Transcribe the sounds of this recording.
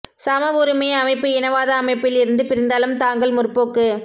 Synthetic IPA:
sɐmɐʋʊɾɯmeːɐmɐɪpːɯɪnɐʋaːðɐːmɐɪpːɪlɪɾɯnd̪ɯpɪɾɪnd̪aːlɯmt̪aːŋɡɐɭmʊrpːoːkːɯ

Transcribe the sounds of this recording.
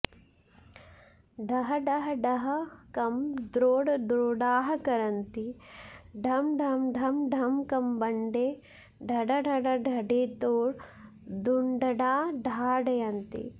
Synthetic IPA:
ɖʱɐɦɐɖɐɦɐɖɐɦɐkɐmd̪ɾoːɖɐd̪ɾoːɖaːɦɐkɐɾɐnt̪i | ɖʱɐmɖʱɐmɖʱɐmɖʱɐmkɐmbɐɳɖeː | ɖʱɐɖɐɖʱɐɖɐɖʱɐɖeːt̪oːɽ | d̪uɳɖɐɖaːɖʱaːɖɐjɐnt̪ḭ

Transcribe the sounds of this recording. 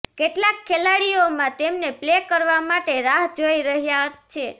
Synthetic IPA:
keʈlakʰːelaɽiomãt̪emneplekəɾʋamaʈeɾaɦd͡ʒoiɾəɦjat͡ʃʰe

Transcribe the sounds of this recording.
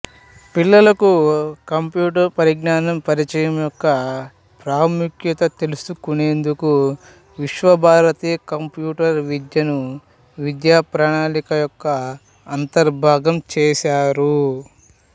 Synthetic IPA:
pilːɐlɐkukɐmpjuːʈɐɾpɐɾiɡnaːnɐmpɐɾit͡ʃɐjɐmjɔkːɐ | pɾaːmukjɐt̪ɐt̪e̞lusukune̞ːnd̪uku | ʋiʃʋɐbʱaːɾɐt̪iːjɐkɐmpjuːʈɐɾʋid̪jɐnu | ʋid̪jaːpɾaːɳaːnikɐjɔkːɐː | nt̪ɐɾbʱaːɡɐmt͡ʃɛːʃaːɾu

